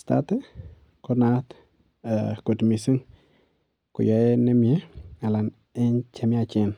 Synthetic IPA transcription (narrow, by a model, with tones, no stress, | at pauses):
sta̰te˦ | konat | ku˨tmi˨si˦ŋ | kʊ̰˨ja˨ene˦m˨e˦a˨la˨n | ɛ˦nt͡ʃe˦mat͡ʃen